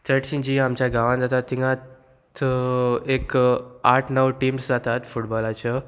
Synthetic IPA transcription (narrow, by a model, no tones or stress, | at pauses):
t̪əʈɕĩd͡ʑiːamt͡ɕjaɡaʋãnd͡zat̪at̪ːiŋɡã | t̪ | ekaʈʰnəwʈiːmsd͡zat̪at̪fuʈbɔlat͡ɕə